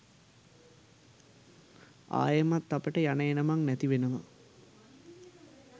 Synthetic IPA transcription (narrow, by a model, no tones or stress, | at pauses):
a̰ːjəmat̪ːapəʈəjanəjenəmaŋnæt̪iʋenəma̰